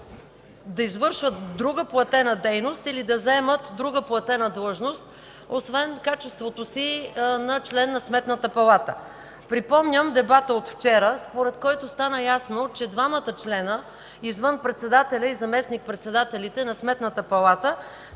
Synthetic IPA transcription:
d̪ɐizvɤɾʃvət̪d̪ɾuɡəplˠɐt̪ɛnəd̪ɛjnost̪ilid̪ɐzɛmət̪d̪ɾuɡəplˠɐt̪ɛnəd̪lˠəʒnost̪̚ | osvɛnkat͡ʃɛst̪vot̪osinɐt͡ʃlɛnːɐsmɛt̪nət̪əpɐlˠat̪ə̰ | pɾipɔmnʲəmd̪ɛbat̪əot̪ft͡ʃɛɾəspoɾɛt̪kɔjt̪ost̪anəjasnot͡ʃɛd̪vamət̪ət͡ʃlɛnə | izvɤnpɾɛt̪sɛd̪at̪ɛlʲəizɐmɛsnik̚pɾɛt̪sɛd̪at̪ɛlit̪ɛnɐsmɛt̪nət̪əpɐlˠat̪ə

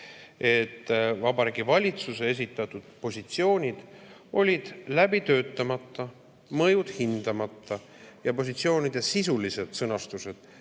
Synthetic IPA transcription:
e̞t̪ːvɑbɑɾiɡivɑlʲit̪suse̞e̞s̬it̪ːˑɑt̪ːˑud̪̥̚po̞sʲit̪sio̞ːnʲid̪̥ʔo̞lʲid̪̥læbit̪ø̞ːt̪ːˑɑmɑt̪ːˑɑ | mɤjud̪̥hind̪̥ɑmɑt̪ːɑ | jɑpo̞s̬ʲit̪sio̞ːnʲid̪̥e̞sisulise̞d̪̥sɤnɑst̪use̞d̪̥

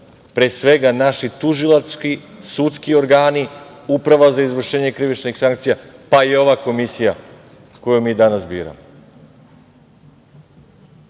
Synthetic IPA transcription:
pɾeːsʋe̞ɡanaʃit̪uʒilˠat̪skisut̪skio̞ɾɡaːniupɾaʋazaizʋr̩ʃe̞ːɲe̞kɾiʋit͡ʃnixsaŋk̚t̪sijapaio̞ʋako̞misija | ko̞jumiːd̪anasbḭːɾa̰mo

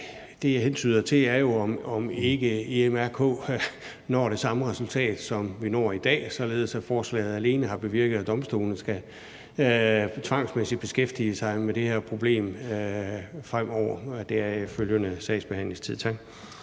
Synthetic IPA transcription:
d̥e̝jɑhent͡sʰy̰ːðˠɐt͡sʰe̝læɐjo̝ɒmɒ̽me̝ɡ̥əeemæɐkʰɔ̰̽ː | nɒ̰ːɾ̥e̝sɑ̈məʁɛsult͡sʰɛ̰ːd̥sɒ̽mʋinɒ̰ːɐid̥ɛ̰ːsɒ̽le̝ːð̞̩ˠəsæfɒːslɛ̰ːð̩ˠæle̝ːnəɦɑ̈b̥e̝ʋiɐɡ̥ð̞̩ˠæd̥ɒ̽msd̥ṵːln̩sɡ̥æ | t͡sʰʋɑ̈ŋ̰smesid̥̚b̥e̝sɡ̥efd̥iəsɑ̈ɪmeɾ̥e̝heɐ̰pʰʁo̝b̥le̝̰ːm | fʁam̰ɒʊ̰ɐd̥e̝æɐføljənəsɛ̰ɪsb̥e̝hæn̰le̝ŋst͡sʰið̞̰ˠt͡sʰɑ̈ɡ̥̚

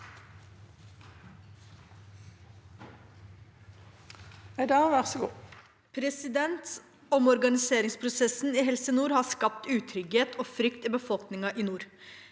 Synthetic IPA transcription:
æɪd̪ɑʋæʁsəɡṵː | pʰɾɛsɪd̪ɛnt̪ | ɔmɔɾɡɑnɪseːɾɪŋspʰɾʊsɛsn̩iːhɛlsənuːɾhɑːskɑp̚t̪ʉːt̪ʰɾʏɡheːt̪ʰoːfɾʏkt̪iːbəfɔlknɪŋɑʔiːnuːɾ

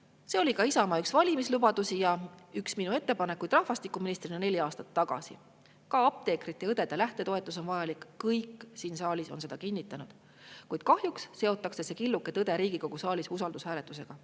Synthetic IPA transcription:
se̞o̞likɑisɑmɑyksvɑlʲimislub̥ɑd̪̥usijɑyksminue̞t̪ːe̞pɑne̞kːujd̪rɑhvɑst̪ikːˑuminist̪rinene̞lʲiɑːst̪ɑt̪ːɑɡ̥ɑ̰sḭ | kɑɑp̚t̪e̞ːkɾit̪ˑːeɤd̪e̞d̪elæht̪e̞t̪o̞e̞t̪ːˑuso̞nvɑjɑlikːɤjkːˑsiːnsɑːlʲiso̞nse̞d̪̥ɑkinʲːit̪ːˑɑnud̪̥ | kujd̪̥̚kɑhjuksse̞o̞t̪ːˑɑkse̞se̞kilːukːˑe̞t̪ɤd̪e̞ɾiːɡ̥iko̞ɡ̥usɑːlisusɑld̪ushæːle̞t̪ːˑuse̞ɡ̥ɑ

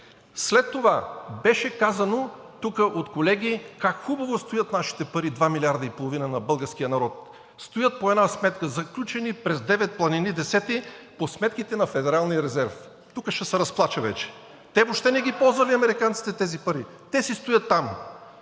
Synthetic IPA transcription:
slɛt̪ːovabɛʃɛkazɐno | t̪ukəʔot̪kolɛɡʲikakxubɐvost̪ojət̪naʃi̥t̪ɛpɐɾid̪vamilʲiaɾd̪əipolˠovinənɐbɤlˠɡəɾsk̟ijənɐɾɔt̪̚ | st̪ojət̪̚poɛd̪nasmɛt̪kəzɐklʲut͡ʃɛnipɾɛzd̪ɛvɛt̪̚plˠɐninid̪ɛsɛt̪iposmɛt̪kit̪ɛnɐfɛd̪ɛɾalˠnijəɾɛzɛɾf | t̪ukəʃɛsɛɾɐsplˠat͡ʃəvɛ̰t͡ʃɛ̥ | t̪ɛvopʃt̪ɛnɛɡʲipɔlˠzvɐliɐmɛɾikant̪si̥t̪ɛt̪ɛzipɐɾi | t̪ɛsist̪ojət̪ːam

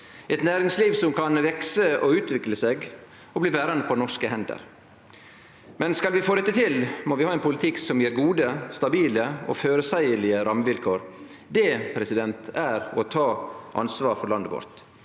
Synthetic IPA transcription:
ɛt̪næːɾɪŋsliːʋsɔmkʰɑnʋɛksəɔʉːt̪ʋɪkləseːɡ | ɔbliːʋæːɾɑnd̪əpʰɔnɔʂkəhɛnd̪ə̰ɾ | mɛnskɑlʋɪfoːɾɛt̪ːət̪ʰɪlmɔʋɪhɑːɛnpʊlɪt̪ʰɪksɔmjiːɾɡuːd̪əst̪ɑbiːləɔ̰føːɾəsæɪəɭɪəɾɑmːəʋɪlkʰoːɾ | d̪ɛpʰɾɛsɪd̪ɛnt̪ʰæɾɔt̪ʰɑːʔɑ̰nsʋɑːɾfɔɾɭɑnd̪əʋɔ̰ɾt̪

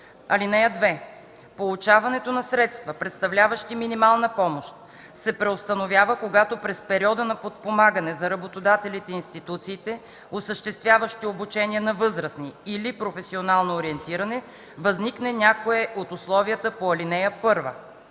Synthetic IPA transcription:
ɐlinɛjəd̪vɛ | polˠut͡ʃavɐnɛt̪onɐsɾɛt̪st̪vəpɾɛt̪st̪ɐvlʲavəʃt̪iminimalˠnəpɔmoʃt̪̚ | sɛpɾɛost̪ɐnovʲjavəkoɡat̪opɾɛspɛɾiɔd̪ənɐpot̪̚pomaɡənɛzɐɾɐbot̪od̪at̪ɛlit̪ɛinst̪it̪ut̪siːt̪ɛ | osəʃt̪ɛst̪vʲjavəʃt̪iobut͡ʃɛniənɐvɤzɾəsniːlipɾofɛsionalˠnoːɾiɛnt̪iɾɐnɛ | vɐzniknɛnʲakoɛʔot̪uslˠɔviət̪əpoɐlinɛjəpɤɾvə̰

